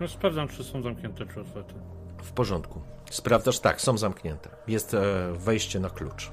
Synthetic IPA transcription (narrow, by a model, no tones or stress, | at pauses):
nɔspɾavdzamt͡ʂɘsɔ̃w̃zamkɲʲɛnt̪ɛpʂɨɔt̪fɛt̪ɘ | fpɔʐɔnt̪kuspɾavd̪zaʂt̪a̰ksɔ̃w̃zamkɲɛnt̪ɛ̥jɛst̪vɛjɕt͡ɕɛnaklṵt͡ʂ